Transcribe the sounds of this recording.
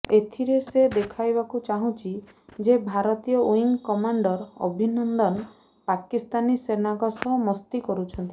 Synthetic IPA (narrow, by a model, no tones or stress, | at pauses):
et̪ʰiɾesed̪ekʰajbakut͡ʃaɦũt͡ʃʰi | d͡ʒebʱaɾɔt̪ijɔʔuiŋkɔmaɳɖɔɾɔ̰bʱinɔnd̪ɔn | pakist̪anisenaɡɔsɔmɔst̪ikɔɾut͡ʃʰɔnt̪i